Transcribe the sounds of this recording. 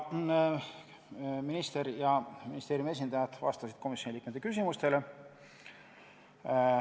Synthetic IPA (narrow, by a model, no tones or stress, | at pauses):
minist̪eɾjɑminist̪eːɾijume̞s̬ʲind̪̥ɑjɑd̪̥vɑ̰st̪ɑsid̪̥̚ko̞misʲjo̞niliːkmet̪ːekysʲimust̪e̞le̞